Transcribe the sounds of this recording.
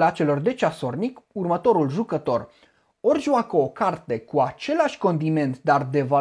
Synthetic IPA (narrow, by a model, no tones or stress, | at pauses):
at͡ʃe̞lo̞rd̪e̞t͡ʃaso̞rnikurmət̪o̞ɾulʒukət̪o̞r | o̞rʒuakəokart̪e̞kuat͡ʃe̞laʃʲko̞nd̪ime̞nt̪d̪ard̪e̞va